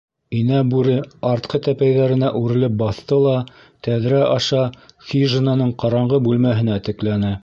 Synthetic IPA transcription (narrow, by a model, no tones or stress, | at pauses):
inæbʉɾɘɑɾt̪̚qɤt̪æpæjðæɾɘ̆næʔʉɾɘ̆lɘp̚bɑθt̪ɤlˠɑ | t̪æðɾæʔɑʃɑxʲiʒɘnɑnɤɴqɑɾɑɴʁɤbʉlmæɦɘ̆næt̪ɘ̆klænɘ